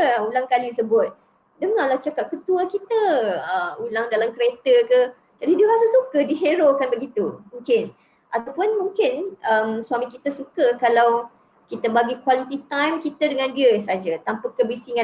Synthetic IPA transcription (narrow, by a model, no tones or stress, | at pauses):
ulaŋkalisəbʊt̪̚ | dəŋalaht͡ʃakat̪̚kət̪uakit̪əəmulaŋdalamkəɾet̪əkə | d͡ʒadidəɾasəsukədiɦeɾokanbəɡit̪umuŋkɪn | ʔat̪apʊnmũŋkɪnəmswamĩkit̪asukəkalaw | kit̪əbaɡikwalit̪it̪ajmkit̪ədəŋãndiəsad͡ʒat̪ampakəbisiŋã